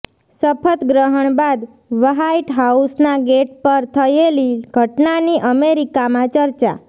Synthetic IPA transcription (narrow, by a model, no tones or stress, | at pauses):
səpʰət̪ɡɾəɦəɳbad̪ | ʋəɦaiʈɦausnaɡeʈ̚pəɾt̪ʰəeliɡʱəʈnaniʔəmeɾikamãt͡ʃəɾt͡ʃa̰